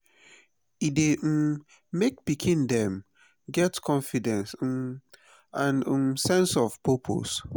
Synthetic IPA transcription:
ide | mek̚b̥ikʰĩndɛ̃m | ɡɛtkʰɔ̃nfidɛ̃ns̩ | ãnmsɛ̃nsɔvpʰopʰo̰s

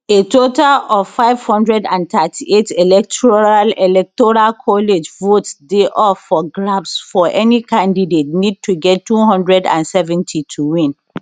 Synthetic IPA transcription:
etotalɔv̥faɪv̥hɔ̃ndɹɛdãnt̪atʰietelɛk̚tʰɔɹalelɛk̚tɔɹalkʰɔled͡ʒvotsdeʔɔfɔɡɹabsfɔʔɛnikãndidet̚nid̚tʰuɡɛtːuɦɔ̃ndɹɛdã̰nsɛvɛ̃ntʰitʰuwĩn

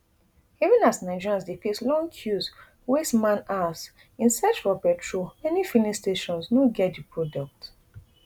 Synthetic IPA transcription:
ivũnasnaɪd͡ʒiɹãnsdekʰeslɔ̃ŋkʰjus | wesmãnas | ĩnsɛt͡ʃɹɔbɛtʰɹumɛnifilisteʃɔ̃nsnoɡɛt̚dipʰɹɔdɔk̚t

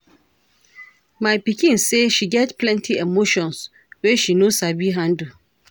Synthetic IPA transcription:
mãɪpikʰĩnseʃiɡɛtpʰlɛ̃ntʰiɛmoʃɔ̃ns | wɛʃinõsabiɦãn̩du

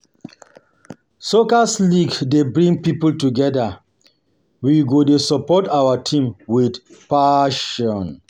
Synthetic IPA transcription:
sokasliɡdebɹĩŋpipultuɡɛda | wiɡodesɔpɔtawatʰĩmwidpaʃɔ̃n

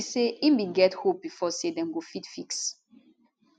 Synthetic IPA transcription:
seimbĩnɡɛthop̚bifɔsedɛ̃mɡofitfiks

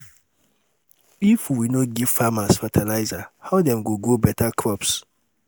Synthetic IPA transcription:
ifwinoɡiv̥famasfatʰalaɪzahaʊdɛ̃mɡoɡobɛtʰakʰɹɔps

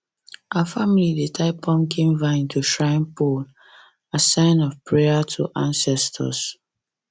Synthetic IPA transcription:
ʔafamilidetʰaɪpɔ̃mkʰĩmvãɪ̃ntʰuʃɹãɪ̃npol | asãɪ̃nɔvpʰɹeatʰuʔãnsɛstʰə̰s

